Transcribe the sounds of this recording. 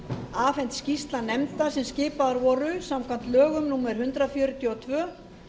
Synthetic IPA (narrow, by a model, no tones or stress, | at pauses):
aːfɛnt̪scist̪lanɛmt̪asɛmscɪːpaðaɾvɔɾʏsamkʰvant̪lœːɣʏmnuːmɛɾ̥hʏnt̪ɾafjœːɾʏt̪ʰjɔɔt̪ʰvœː